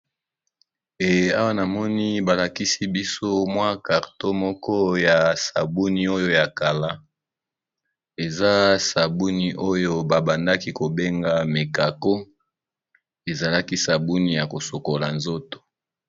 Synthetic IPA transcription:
e˨a˦wa˦na˨mɔ˦ni˦ba˨la˨ki˦si˦bi˦so˦mwa˦ka˨ʁto˦mɔ˦kɔ˦ja˨sa̰˨bu˦ni˦o˦jo˦ja˨ka˨la˦ | e˨za˦sa˨bu˦ni˦ʔo˦jo˦ba˨ba˨nda˦ki˦ko˨be˦ŋɡa˦me˨ka˨ko˦ | e˨za˨la˦ki˦sa˨bu˦ni˦ja˨ko˨so˨ko˨la˨nzo˦to̥˨

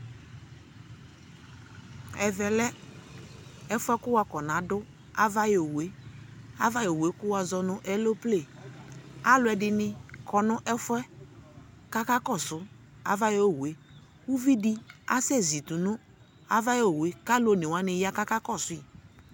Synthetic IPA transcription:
ɛ˨vɛ˨lɛ˦ | ɛ˦fʊ˦ɛ˦kʊ˦wa˨kɔ˨nã˨˦dʊ˦ | a˦va˦jo˨we˦a˦va˦jo˨we˨˦kʊ˦wa˨zɔ˦nʊ̃˦ʔɛ˦lo˦ple˦˨ | a˦lʊ˦ɛ˨dɪ˨nɪ˦kʰɔ˨nʊ̃˦ʔɛ˦fʊ˦ɛ˦ | ka˦ka˦kɔ˦˨sʊ˨ | a̰˨va˦jo˦˨we˨˦ | wu˦vi˦di˦a˦sɛ˦˨zi˨tu˨nʊ˦ | a̰˨va˦jo˨we˨˦ka˦lo˦˨nɪ˨wa˦nɪ˨ja˦ka˦ka˦kɔ˦˨sʊ˨˦i˨

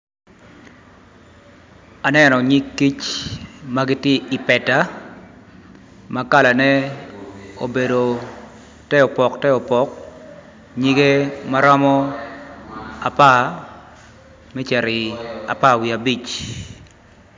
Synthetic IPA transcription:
a˨nɛ˦nɔ˨ɲi˦kːi˦t͡ʃma˦ɡɪ˦tje˦ʔi˨pɛ˨ta˦ | maka˦la˨nɛ˦ | o˨be˨do˨ | tɛ˦ɔ˨pɔ˨ktɛ˦ɔ˨pɔ˨k | ɲi˦ɡe˦ma˦ɾɔ˦mɔ˦ | a˨pa˦ | mɛ˦t͡ʃɛ˨ɾɪ˨a̰˨pa˦˨wi˨a˨bi˦˨t͡ʃ

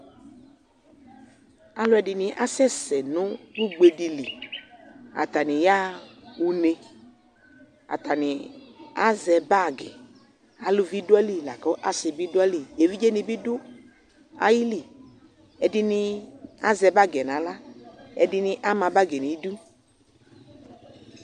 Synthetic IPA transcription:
a˨lɔ˦ɛ˨dɪ˨nɪ̃˨ʔa˦sɛ˦sɛ˨nʊ̃˦du˦ɡ͡be˨di˨li˨ | a̰˨t̪a˨nɪ̃˨ja˦u˨ne˧ | a̰˨t̪a˨nɪ̃˨a˦zɛ˧ba˦˨ɡɛ̰˨ | a˨lu˦vi˦dʊ˦ɛ˦li˦˨la˨kɔ˨˦ʔa˦sɪ˨bi˦dʊ˦ɛ˦li˨e˨vi˦d͡ʒe˦nĩ˨bi˦dʊ˦ | a̰˦ji˦li˨ | ɛ˨dɪ˦nɪ̃˧a˦zɛ˧ba˦˨ɡɛ˨nã˨˦la˦ɛ˨dɪ˦nɪ̃˦ʔa˦mã˧ba˦ɡɛ˨nĩ˨˦du˦

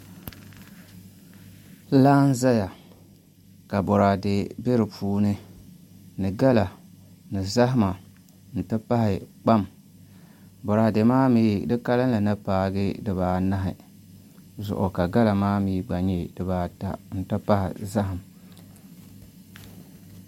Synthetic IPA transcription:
laː˦n˦za˦ja˨ | ka˨bɔ˨ɾaː˨de˨be˦ɾɨ˨pʰuː˦nɨ˦ | nɨ˨ɡa˦la˨ | nɨ˨za˦ɦɪ˦ma˨ | n̩˨tɨ˦pa˦hɪ˨k͡pa˦m | bɔ˨ɾaː˨de˨maː˦miː˦dɨ˦ka˦lɨ˦n˦la˨nɨ˦paː˨ɡɨ˦dɨ˨βaː˨na˦ɦɪ̰˨ | zʊ̰˨ʔʊ̰˨ka˨ɡa˦la˨maː˦miː˦ɡ͡ba˨ɲe˨dɨ˨baː˨ta̰˨n̩˨tɨ˦pa˦hɪ̰˨za˦ɦɪ˨m˨

